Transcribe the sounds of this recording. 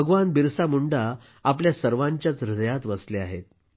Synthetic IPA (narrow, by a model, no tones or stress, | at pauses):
əɡʋanbiɾsamuɳɖa | ap̬ljasəɾʋaɲt͡ɕjat͡sɾəd̪əjat̪ʋəsleaɦḛt̪̚